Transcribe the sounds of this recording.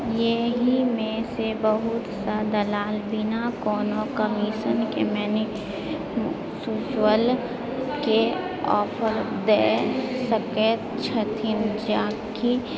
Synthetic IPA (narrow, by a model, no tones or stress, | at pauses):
jeɦimẽsebəɦʊt̪sad̪ɐlaːlbɪnakɔːnokəmiːʃənkemɛːnɪ | suːt͡ʃwəl | ke | ɔːpʰəɾ | d̪eːsəket̪t͡ʃʰət̪ʰind͡ʒaːki